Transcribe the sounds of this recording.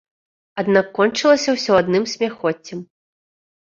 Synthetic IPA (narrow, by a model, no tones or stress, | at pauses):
ad̪nakːɔnt͡ʂɨlˠɐsʲɐwsʲɔad̪nɨmsʲmʲaxɔt͡sʲːɐm